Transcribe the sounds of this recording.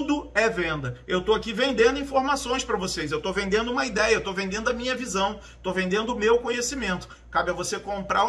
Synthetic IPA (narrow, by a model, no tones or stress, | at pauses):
d̪ʊɛvẽnd̪ɐewt̪owakivẽnd̪ẽnd̪ʊĩfoɾmasõj̃spɾɐvosejzewt̪ovẽnd̪ẽnd̪ʊũmɐid̪ɛjɐewt̪owvẽnd̪ẽnd̪ʊɐmĩɲɐvizɐ̃w̃ | t̪ovẽnd̪ẽnd̪ʊmewkõɲesimẽnt̪ʊ̥ | kabɪɐvosekõmpɾa̰